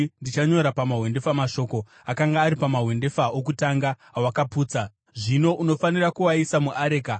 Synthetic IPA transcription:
ndit͡ʃaɲo̞ɾapamaɦwe̞nde̞famaʃo̞ːko̞ | akaŋɡaːɾipamaɦwe̞nde̞faok̬utaŋɡa | wakapuːt͡sa | ʐino̞ʔuno̞fanirakuwaisamuʔaɾe̞ːka

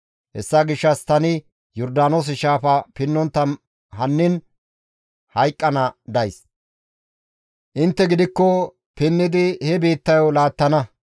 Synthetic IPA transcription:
hɛ̰sːɐɡɪʃːɐst̪ɐnɪ | jɔɾd̪aːnoːs̬ɪʃaːfɐpɪnːɔnt̪ːɐn | ɦɐnːɪn | hɐjkʼːɐnɐd̪ɐjs | ʔɪnt̪ːɛɡɪd̪ɪkːɔ | pɪnːɪd̪ɪhɛbe̞ːt̪ːɐjɔlaːt̪ːɐnɐ

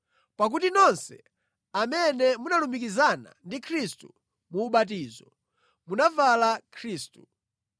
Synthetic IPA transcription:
pak̬utinɔnsɛ̰ | amɛnɛmunalumikizana̰ndikʰɾistṵ | muːɓat̬iːzɔ | munavalakʰɾiːstu̥

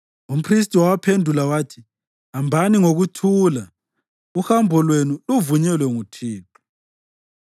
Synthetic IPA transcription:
um̩pʰris̬tʼiwawapʰendʱulawaːtʰi̥ | ambʱaniŋoɣutʰuːla | uhambʱɔlwenuluvuɲɛlwɛŋutʰiːtʰʼu̥

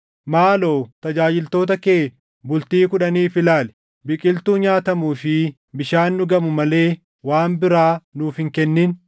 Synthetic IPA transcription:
maːlo̞ːt̪ɐd͡ʒaːd͡ʒɪlt̪oːt̪ɐkeː | bʊlt̪iːkʊᶑɐniːfɪlaːlɛ̥ | bɪkʼɪlt̪uːɲaːt̪ɐmuːfɪ | bɪʃaːnːʊɡɐmʊmɐle̞ː | waːmbɪɾaːnuːfhɪŋkɛnːin

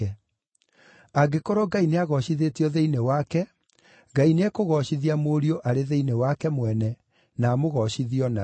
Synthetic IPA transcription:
ɛ | aɡekɔɾɔɡaineaɣɔɕiðetiɔðeinewakɛ | ɡainɛkoɣɔɕiðiamoɾioʔaɾeðeinewakɛmwɛnɛ | naːmoɣɔɕiðiɔna

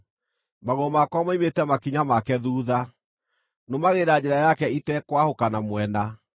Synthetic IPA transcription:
maɣomakwamaimetɛmakiɲamakɛðuːða | nomaɣeɾad͡ʑɛɾajakɛitɛkwahokanamwɛna

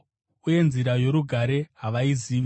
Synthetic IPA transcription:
uje̞nziɾajo̞ɾuɡʱaɾe̞ɦaʋaiziːʋ

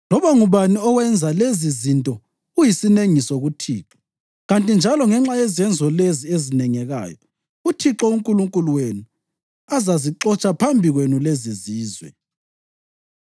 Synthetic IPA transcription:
lɔβaŋuβaniɔɣwɛnd͡zʱalezizintʼɔ | ujisineŋisɔɣutʰiːǁɔ̥ | ɣantʼind͡ʒʱalɔŋɛŋ͡ǁajɛzɛnd͡zʱɔleziezinɛŋɛɣa̰ːjɔ | utʰiǁɔuŋkʼuluŋkʼuluwenu | azaziǁɔt͡ʃʼapʰambʱiɣwenuleziziːzwɛ̰

